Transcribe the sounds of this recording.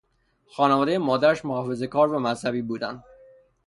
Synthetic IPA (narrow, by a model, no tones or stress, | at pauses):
xɒːnevɒːd̪ejemɒːd̪æɾæʃmohɒːfe̞ze̞kʰɒːɾvæmæzhæbiːbuːd̪ænd̪